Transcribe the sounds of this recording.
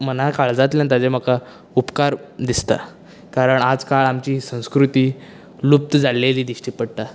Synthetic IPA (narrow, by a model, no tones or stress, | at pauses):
mənakaɭd͡zat̪̬ljãnt̪ad͡zem̤əka | upkaɾd̪ist̪a̰ | kaɾəɳad͡zkaɭamt͡ɕiːsə̃w̃skɾut̪iː | lup̚t̪əd͡zaleliːd̪iɕʈiːpəɽt̪a